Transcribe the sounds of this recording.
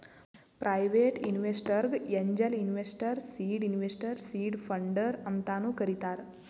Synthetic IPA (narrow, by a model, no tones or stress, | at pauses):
pɾʔajʋeːʈinʋesʈɐɾɡeɲd͡ʒɐlinʋesʈɐɾsiːɖinʋesʈɐɾsiːɖpʰɐɳɖɐɾɐnt̪aːnukɐɾit̪aːɾ